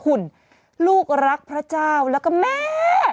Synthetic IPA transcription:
kʰu˨˩n | luː˥˩k̚ɾa˦˥k̚pʰɾa˦˥t͡ɕaː˥˩wlɛː˦˥wkɔː˥˩mɛː˥˩

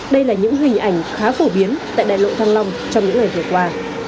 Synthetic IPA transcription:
ɗə˧jlaː˨˩ɲɨ̰˧˥ŋɦï˨˩ŋ̟ʔa˧˩jŋ̟xaː˨˦fo˧˩ɓi˨˦ənt̪a̰ː˧˨jɗa̰ː˧˨jlo̰˧˨t̪ʰaː˧ŋla˧wŋ͡mt͡ɕɔ˧wŋ͡mɲɨ̰˧˥ŋa˨˩jvɨ˨˩əkwaː˧

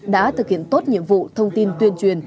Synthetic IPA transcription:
ɗa̰ː˧˥t̪ʰɨ˨˩k̚hḭ˧˨ənt̪o˦˥t̚ɲḭ˧˨əmvṵ˧˨t̪ʰə˧wŋ͡mt̪i˧nt̪wi˧ənt͡ɕwi˨˩ən

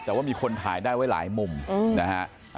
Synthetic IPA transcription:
t̪ɛː˨˩waː˥˩miː˧kʰo˧nt̪ʰa̰ː˩˦jdaː˥˩jwa˦˥˩jla̰ː˩˦jmo˧m˧na˦ha˦˥ʔ

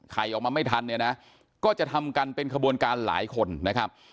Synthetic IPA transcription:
kʰa˧jʔɔː˨˩k̚maː˧ma˥˩jt̪ʰa˧nːɯ˧˩na˦˥ | kɔː˥˩t͡ɕa˨˩t̪ʰa˧mka˧npe˧nkʰa˧bu˧ənkaː˧nla̰ː˩˦jkʰo˧nːa˦˥kʰa˦˥p̚

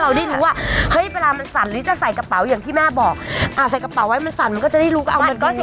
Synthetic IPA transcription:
ɾa˧wda˥˩jɾuː˦˥waː˥˩hɤ˦˥jweː˧laː˧ma˧nsa˨˩nɾɯː˨˦t͡ɕa˨˩sa˨˩jka˧pa˩˦wjaː˨˩ŋt̪ʰiː˥˩mɛː˥˩bɔː˨˩k̚ʔaː˨˩sa˨˩jka˧pa˨˩˦wːa˦˥jma˧nsa˨˩nma˧nkɔː˥˩t͡ɕa˨˩da˥˩jɾuː˦˥ka˧˩ʔa˧wama˧nkɔː˥˩˨

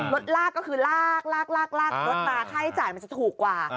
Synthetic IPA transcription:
lo˦˥t̪̚laː˥˩kːɔː˥˩kʰɯː˧laː˥˩k̚laː˥˩k̚laː˥˩k̚laː˥˩k̚lo˦˥t̪̚naː˨˦˥kʰa˥˩jt͡ɕaː˨˩jma˧nt͡ɕa˨˩t̪ʰuː˨˩kːwaː˨˩

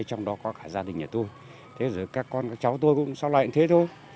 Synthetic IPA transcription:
t͡ɕɔ˧wŋ͡mɗɔ˨˦kɔ˨˦xaː˧˩zaː˧ɗï˨˩ŋ̟ʔəː˧˩t̪o˧j | t̪ʰe˨˦zəː˧˨˩jkaː˦˥kːɔ˧nkaː˦˥k̚t͡ɕa˨˦wt̪o˧jkʊ̰˧˥ŋ͡msɔ˨˦wla̰˧˨t̪ʰe˨˦t̪ʰo˧j

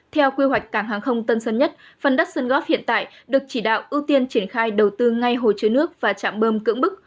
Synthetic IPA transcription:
t̪ʰɛ˧wkwi˧ɦwa˨˩jk̟̚kaː˧˩ŋɦaː˨˩ŋxə˧wŋ͡mt̪ə˧nsə˧nɲə˦˥t̚ | fə˨˩nɗa˦˥k̚sə˧nɣɔ˦˥p̚hḭ˧˨ənt̪a̰ː˧˨j | ɗɨ˨˩ək̚t͡ɕi˧˩ɗa̰ː˧˨wʔi˧wt̪i˧ənt͡ɕi˧˩ənxaː˧jɗə˨˩wt̪ɨ˧ŋa˧jɦo˨˩jt͡ɕɨ˧˦nɨ˦˥ək̚vaː˨˩t͡ɕa̰ː˧˨mɓəː˧mkɨ̰˧˥əŋɓɨ˦˥k̚

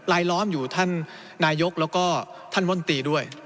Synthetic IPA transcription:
laː˧˥jlɔː˦˥mjuː˨˩t̪ʰa˥˩nː | aː˧˥jo˦˥k̚lɛː˦˥wkɔː˥˩t̪ʰa˥˩nwo˥˩˨nt̪iː˧du˥˩əj

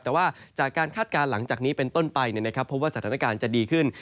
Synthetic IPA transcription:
ɛː˨˩waː˥˩ | t͡ɕaː˨˩kːaː˧nkʰaː˥˩t̪̚kaː˧nla˩˦ŋt͡ɕaː˨˩k̚niː˦˥pe˧nt̪o˥˩npa˧jni˥˩ɐna˥kʰa˦˥pʰːo˦˥p̚waː˥˩a˩aː˦na˥˩kaː˧nt͡ɕa˨˩diː˧kʰɯ˥˩n

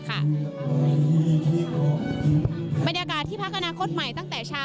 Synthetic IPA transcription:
kʰa˥i˧˨aː˧i˧˩i˧˩t̪ʰi˥˩kɔː˧˨˩ti˧˦n˧ba˧njaː˧kaː˨˩t̪ʰːiː˥˩pʰa˦˥kʔa˧naː˦˧˥kʰo˦˥t̪̚ma˨˩jt̪a˥˩ŋt̪ɛː˨˩t͡ɕʰaː˦˥˩

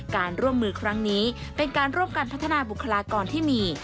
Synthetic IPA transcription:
kaː˧nɾu˥˩əmːɯː˧kʰɾa˦˥ŋniː˦˥ | pe˧nkaː˧nɾu˥˩əmka˧npʰa˦˥t̪ʰːa˧naː˧bu˨˩kʰːa˧laː˧kɔː˧nt̪ʰiː˥˩miː˧

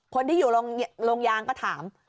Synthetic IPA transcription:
kʰo˧nt̪iː˥˩juː˨˩lo˧ŋloː˧ŋjaː˧ŋkɔː˥˩t̪ʰaː˩˦m

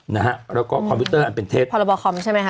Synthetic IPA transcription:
na˦˥kʰa˦˥ɾɛː˦˥wkɔː˥˩kʰɔ˨˧pʰu˦˥t̪ɤː˥˩ʔa˨npe˨nt̪ʰeː˦˥˩t̪̚pʰɔ˧la˧bɔː˧kʰɔ˧˩mt͡ɕʰa˥˩jma˦˥kʰa˦

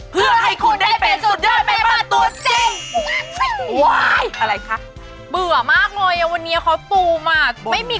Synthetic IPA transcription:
pʰɯ˧˥˩ɐha˧˩jkʰo˧nda˥˩jpe˧nsu˨˩t̪̚daː˧˥˩ma˧˩maː˧˩t̪u˧˥t͡ɕe˧˩ŋ | wa˦˩jʔa˧ɾa˧˩jkʰa˦˥˩ | bɯ˨˩ɐmaː˥˩k̚nɔː˧jʔa˧˩wa˧nːiː˦˥˧kʰa˨˦˥wsuː˧˩maː˧˩ma˥˩jmiː˧˩

